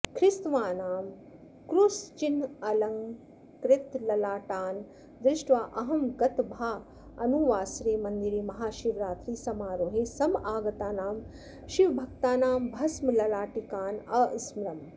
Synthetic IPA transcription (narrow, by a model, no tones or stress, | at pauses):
kʰɾɪst̪ʋaːnaːm | kɾust͡ʃinɐlɐŋ | kɾɪt̪lɐlaːʈaːn | d̪ɾɪʃʈʋaːʔɐɦɐmɡɐt̪bʱaː | ɐnuʋaːsɾeːmɐnd̪iɾiːmɐɦaːʃiʋɾaːt̪ɾiːsɐmaːɾoːɦeːsɐmaːɡɐt̪aːnaːm | ʃiʋbʱɐk̚t̪aːnaːmbʱɐsmɐlɐlaːʈikaːnɐismɾɐm